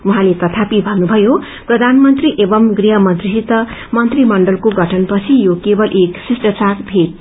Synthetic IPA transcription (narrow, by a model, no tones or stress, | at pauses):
uɦãlet̪ʌt̪ʰapibʱʌnubʱʌjo | prʌd̪ʱanmʌnt̪riʔebʌmɡriɦʌmʌnt̪risit̪ʌmʌnt̪rimʌɳɖʌlkoɡʌʈʰʌnpʌt͡sʰijokebʌlʔeksisʈʌt͡sarbʱeʈ̚